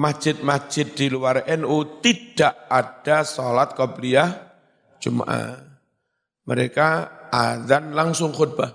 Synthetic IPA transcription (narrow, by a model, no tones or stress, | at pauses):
mḁd͡ʒ̥ɪt̪̚mḁd͡ʒ̥ɪt̪̚d̥iluwaɾɛnut̪id̥aʔad̥asolat̪̚kɔbliah | d͡ʒuma̰ʔa̰ | məɾekaaðanlaŋsʊŋχud̪̚b̥a